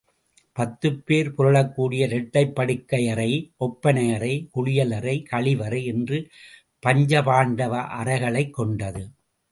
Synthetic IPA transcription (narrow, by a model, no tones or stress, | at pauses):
pɐt̪ːɯpːeːɾpʊɾɐɭɐkːuːɽɪjɐɾɛʈːɐɪpːɐɽɯkːɐjɐɾɐɪʔɔpːɐnɐjɐɾɐɪkʊɭɪjɐlɐɾɐɪkɐɭɪʋɐɾɐɪɛndrɯ | pɐɲd͡ʒɐpaːɳɖɐʋɐʔɐɾɐɪɣɐɭɐɪkːɔɳɖɐðɯ